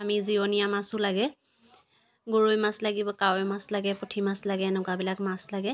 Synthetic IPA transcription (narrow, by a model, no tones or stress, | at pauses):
amizionijamasʊlaɡɛ | ɡoɹujmaslaɡibɔkaojmaslaɡɛputʰimaslaɡɛnʊkabilakmaslaɡɛ